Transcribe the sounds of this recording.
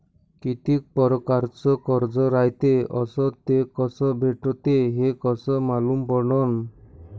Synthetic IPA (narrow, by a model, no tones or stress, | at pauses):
kit̪ik̚pɔɾɔkaɾt͡ʃɔkɔɾd͡ʒɔɾajt̪eɔsɔt̪ekɔsɔbʱeʈɔt̪eɦekɔsɔmalumpɔɾɳɔn